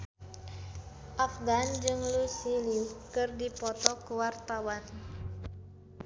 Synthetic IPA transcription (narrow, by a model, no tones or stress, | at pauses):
ʔafɡand͡ʒɨŋlusiliukɨrdipɔt̪ɔkuwart̪awan